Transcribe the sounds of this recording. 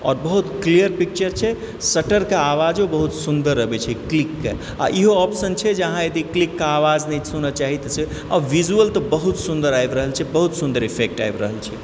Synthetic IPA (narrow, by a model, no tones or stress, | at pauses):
ɔ̰ːɾbəɦut̪klijəɾpik̚t͡ʃəɾt͡ʃʰɛ | səʈəɾkeaʋad͡ʒobəɦut̪sund̪əɾːəbɛt͡ʃʰɛklikːḛ | a̰ʔiɦoɔpsənt͡ʃʰɛd͡ʒəɦãjed̪iklikːaaʋad͡ʒnɛsunat͡ʃaɦit̪se | ɔ̰ɾʋid͡ʒuəlt̪ɔbəɦut̪sũnd̪əɾajbɾəɦəlt͡ʃʰɛbəɦut̪sund̪əɾipʰek̚ʈa̰jbɾəɦəlt͡ʃʰɛ